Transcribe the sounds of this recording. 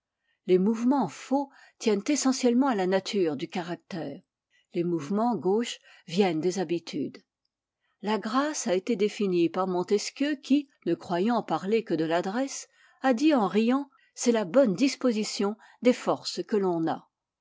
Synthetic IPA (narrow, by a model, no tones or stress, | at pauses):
lemuvmɑ̃fo | t̪jɛnt̪esɑ̃sjɛlmɑ̃alanat̪ʰyːʁd̪ykaʁak̚t̪ɛːʁ | lemuvmɑ̃ɡoʃ | vjɛnd̪ezabit̪ʰyd̪ | laɡʁasaet̪ed̪efinipaʁmɔ̃t̪ɛskʲjøkʲinəkχwajɑ̃paʁlekəd̪əlad̪ʁɛs | ad̪iɑ̃ʁijɑ̃ | sɛlabɔnd̪ispozisjɔ̃ | d̪efɔʁskəlɔ̃na